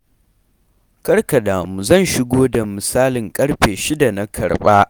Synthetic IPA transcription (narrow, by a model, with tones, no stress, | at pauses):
kɐ˦rka˨daː˨mu˨zɐ˦˨nʃɪ˦ɡʷoː˦da˨mɪ˨saː˦lɪ˨ŋkʼɐ˦ɽɸeː˨ʃɪ˦da˨na˦kʰɐ̰˨ɽɓaː˦ʔ